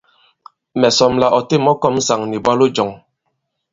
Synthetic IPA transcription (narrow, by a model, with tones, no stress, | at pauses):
mɛ˨sɔ˨mla˨ʔɔ˨te˦˨mɔ˦kɔ˦m̩˦sa˨ŋni˨bwa˦lo˦d͡ʒɔ˨ŋ